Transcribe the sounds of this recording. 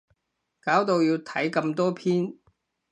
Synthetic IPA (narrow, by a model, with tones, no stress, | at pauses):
kaː˨˥wt̪o˨˧wjiː˧wt̪ʰɐ˨˥jkɐ˧mt̪ɔː˥pʰiː˥n